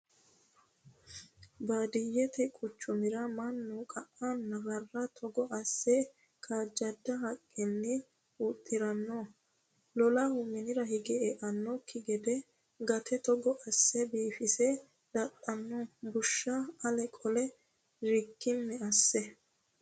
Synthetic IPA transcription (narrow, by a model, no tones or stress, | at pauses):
bad̪ɪjɛt̪ɛkʼʊt͡ʃːʊmɪɾɐmɐnːʊkʼɐʔːanːɐvɐrːɐt̪ʰɔɡɔʔɐsːɛ | kʰaːd͡ʒːɐd̪ːɐɦɐkʼːɛnːɪ | ʊt̪ʼːɪɾɐnːoː | lɔlɐhʊmɪnɪɾɐhɪɡɛɛʔɐnːɔkʰːɪɡɛd̪ɛ | ɡɐt̪ʰɛt̪ɔɡɔʔɐsːɛbiːfɪsɛ | d̪̥ɐt̪ʼːɐnːɔbʊʃːɐɐlɛkʼɔlɛ | ɾɪkːɪnːɛɐsːɛ